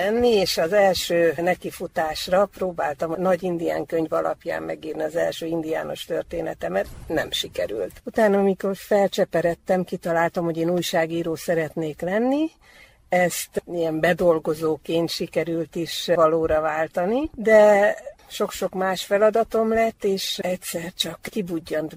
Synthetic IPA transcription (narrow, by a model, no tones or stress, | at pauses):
ɛnːieːʃɒzɛlʃøːnɛkifut̪aːʃrɒproːbaːlt̪ɒmnɒɟind̪ija̰ːŋkøɲvɒlʔɒ̰pja̰ːmmɛ̰ɡiːrniɒzɛ̰lʃøːind̪ija̰ːno̞ʃt̪ørt̪eːnɛt̪ɛmɛt̪nɛmʃikɛɾy̰lt̪ut̪aːnɒmiko̞rfɛlt͡ʃɛpɛɾɛt̪ːɛmkit̪ɒlaːlt̪ɒmho̞ɟeːnuːjʃaːɡiːɾoːsɛɾɛt̪neːklɛnːi | ɛst̪ijɛmbɛd̪o̞lɡo̞zoːkeːnt̪ʃikɛɾylt̪iʃvɒloːɾɒvaːlt̪ɒnid̪ɛ | ʃo̞kʃo̞kmaːʃfɛlɒd̪ɒt̪o̞mlɛt̪ːeːʃɛcsɛrt͡ʃɒkkibuɟːɒnt̪